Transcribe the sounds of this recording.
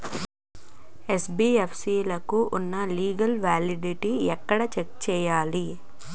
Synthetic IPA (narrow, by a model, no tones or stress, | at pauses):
esbiːepsiːlɐkuʔunːɐliːɡɐlʋaːliɖiʈiɛkːɐɽɐt͡ʃekt͡ʃɛːjaːli